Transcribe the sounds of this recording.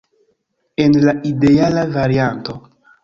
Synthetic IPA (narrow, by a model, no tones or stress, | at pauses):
e̞nlaʔidealavaɾianto